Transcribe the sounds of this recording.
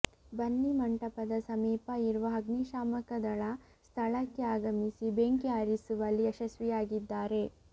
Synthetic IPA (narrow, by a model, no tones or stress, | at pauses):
bɐnːimɐɳʈɐpɐd̪ɐsɐmiːpɐiɾuʋɐɦɐɡniʃaːmɐkɐd̪ɐɭɐ | st̪ʰɐɭɐkːeaːɡɐmisibeːŋkiaːɾisuʋɐlːiɐʃɐsʋijaːɡid̪ːaːɾe̞